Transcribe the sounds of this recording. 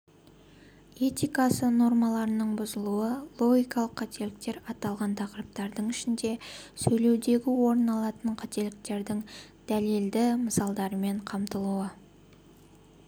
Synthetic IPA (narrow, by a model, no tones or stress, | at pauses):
e̞t̪ijkɑsəno̞ɾmɑlˠɑɾənəɴbʊzəlˠuəlˠo̞ɡʲijkɑlˠəqʰːɑt̪e̞lɪk̚t̪e̞ɾɑt̪ɑlˠʁɑnt̪ʰɑqɾəp̚t̪ɑɾd̪əɴɪʃɪnd̪e̞sɵjle̞wd̪e̞ɡʲɪwo̞ɾənɑlˠɑt̪əɴqʰɑt̪e̞lɪk̚t̪e̞ɾd̪ɪŋd̪̥æleld̪ɪməsɑlˠd̪ɑɾəme̞ɴqʰɑmt̪əlˠuə